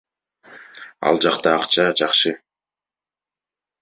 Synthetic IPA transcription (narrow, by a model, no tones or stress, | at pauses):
ɑ̰lˠd͡ʒɑqt̪ɑːqt͡ʃɑd͡ʒɑχʃɯ